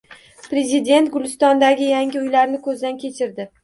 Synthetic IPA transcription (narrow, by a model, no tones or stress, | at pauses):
pɾe̞zɪd̪e̞nt̪ɡʊlˠɪst̪ɒnd̪aɡʲɪjaŋʲɪʊjlaɾnɪkʰɵzd̪ankʲʰe̞t͡ʃʰɪɾd̪ɪ